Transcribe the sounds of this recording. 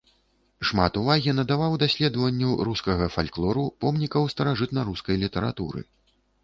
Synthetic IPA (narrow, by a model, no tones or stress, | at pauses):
ʂma̰t̪uvaɣʲinɐd̪avawd̪asʲlʲɛd̪ɐvɐnʲːuɾuskɐɣɐfalʲklˠɔɾupɔmnʲikɐwst̪ɐɾaʐɨt̪nɐɾuskɐjlʲit̪ɛɾa̰t̪ṵɾɨ̰